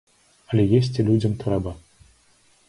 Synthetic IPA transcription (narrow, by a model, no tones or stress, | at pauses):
ɐlʲɛjesʲt͡sʲilʲud͡zʲɐmt̪uɾɛba